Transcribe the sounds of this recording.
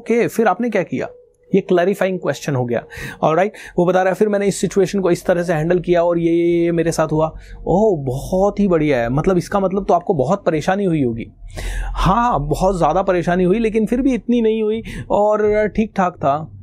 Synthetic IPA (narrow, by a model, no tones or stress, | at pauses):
oːkefɪɾaːpnek̬jaːkija̰ː | jeklɛːɾɪfaːɪ̃ŋɡ̚kwɛːst͡ʃənɦoɡɐja̰ːɔːlɾaːɪʈʋobɐt̪aːɾaɛfɪɾmɛ̃ːneɪsːɪt͡ʃueːʃənkoɪst̪ɐɾəɦs̬eɦɛ̃ːɳɖəlkijaɔːɾjemeːɾesaːt̪ʰɦuaoːbɔɦɔt̪ɦibɐɽiɦɛmɐt̪ləbɪskamɐt̪ləb̚t̪oaːp̚kobɔɦɔt̪̚pɐɾeːʃaːniɦuiɦoːɡḭːhãːɦãbɔɦɔt̪zjaːd̪apɐɾeːʃaːniɦuileːk̬ɪnfɪɾbʱiɪt̪ninɐɦĩɦuiɔːɾʈʰiːk̚ʈʰaːk̚t̪ʰaː